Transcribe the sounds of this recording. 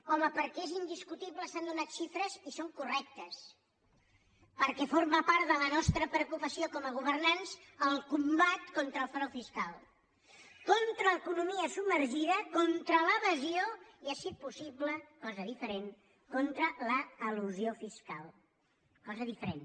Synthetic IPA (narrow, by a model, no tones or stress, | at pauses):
kɔməpəɾkɛezind̪iskut̪iβləsand̪unat̪ʃifɾəzisoŋkurɛk̚t̪əs | pəɾkɛfoɾməpaɾðələnɔst̪ɾəpɾəukupəsiokɔməɣ̞uβ̞ərnansəlˠkumbat̪kont̪ɾəːlˠfɾɔwfiskalˠ | kont̪ɾəəkunumiəsubmːəɾʒiðəkɔnt̪ɾələβəzioiasit̪̚pusiβləkɔzəðifəɾen | kont̪ɾələəluziofiska̰lˠ | kɔzəðifəɾen